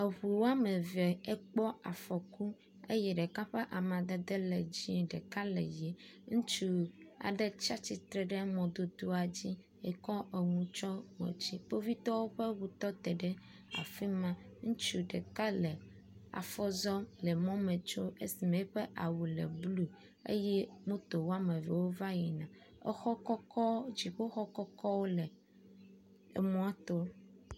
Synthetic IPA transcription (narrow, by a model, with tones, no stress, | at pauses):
e˨ɸu˨wo˦a˦me˨vɛ˨e˦k͡pɔ˦a˨fɔ˨ku˦ | e˦jɛ˨ɖe˨ka˦ɸe˦ʔa˨mã˨d̪e˦d̪e˦le˨d͡ʑĩ˦ɖe˨ka˦lḛ˨je˨ŋũ˦t͡ʃu˦a̰˨ɖe˦t͡ʃa˦t͡ɕi˨t̪ɾɛ˨ɖɛ˦mɔ̃˨d̪o˦d̪o˦a˨d͡ʑi˦ | e˨kɔ˦ʔe˨ŋũ˨t͡ʃɔ˦wɔ̰̃˨t͡ɕi˦k͡po˦vi˦t̪ɔ˦wo˦ɸe˦wu˨t̪ɔ˦t̪ɛ˨ɖɛ˦ | a̰˨fi˦mã˦ŋũ˦t͡ʃu˦ɖḛ˨ka˦le˨ | a̰˨fɔ˦zɔ˦le˨mɔ̃˦me˨t͡ʃo˦e˦si˨me˨˦ɸe˦ʔa˨wu˨lḛ˨blu˦ | ḛ˦jɛ˦mõ˦t̪o˨wo˦a˦me˨vḛ˨wo˦va˦ji˨nã˨ | ḛ˦xɔ˦kɔ˦kɔ˦d͡ʑi˨ɸo˦xɔ˦kɔ˦kɔ˦wo˦le˨ | ḛ˨mɔ̃˦a˦t̪o˦